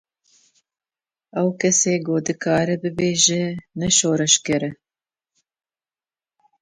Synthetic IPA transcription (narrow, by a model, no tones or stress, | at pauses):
ɛwkʰɛseːɡoːd̪ɨkʰɑːɾɨbɨbeːʒɛnɛʃoːɾɨʃkɨɾɨ